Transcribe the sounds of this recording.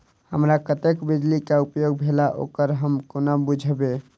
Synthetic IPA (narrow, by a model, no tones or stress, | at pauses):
həmɾakət̪ekbid͡ʒlikaupjoɡbʱelaʔo̰kəɾɦəmkonabud͡ʒʱbe